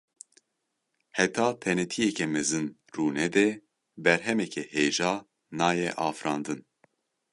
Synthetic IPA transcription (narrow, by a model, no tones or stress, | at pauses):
hɛt̪ʰɑːt̪ʰɛnɛt̪ʰijɛkʰɛmɛzɨn | ruːnɛd̪ɛ | bɛɾɦɛmɛkʰɛheːʒɑː | nɑːjɛʔɑːfɾɑːnd̪ɨn